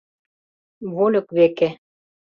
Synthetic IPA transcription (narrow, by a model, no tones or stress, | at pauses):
βolʲɤ̆kβeke